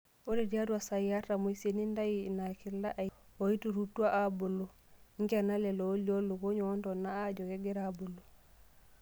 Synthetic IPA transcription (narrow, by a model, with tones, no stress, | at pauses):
o˦ɾe˨di˦a˦dwa˨sa˨ja˦ta˨mo˨i˦se˨ni˦nda˦ji˦na˨ki˦lːa˦ʔa | wo˨i˦tu˨ɾu˦tːu˦a˦ʔabo˨lo˨ | ŋ˦ɡe˨na˦le˨lo˨˦li˦o˦lo˨ko˦ɲo˨ɔ˦ntɔ˨nːaː˦d͡ʒo˨ke˦ɡe˦ɾa˨bo˨lo˨